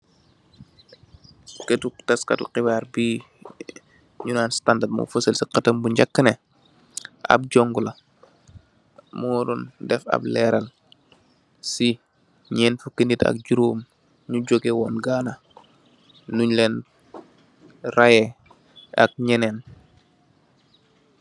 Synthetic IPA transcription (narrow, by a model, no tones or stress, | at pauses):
kətutɐskɐ̰tṵqibaːɾbi | ɲunaːnstandatmṵfəsəlsiqɐtɐmbuɲɟakːəne | ʔa̰b̚ɟoŋɡulɐ | muɾundɛfa̰blɛɾɐl | si | ɲɛːnfukinitɐ̰k̚ɟuɾum | ɲuɟoɡewɔːnɡaːna | nuɲlɛn | rajɛ | a̰k̚ɲɛnen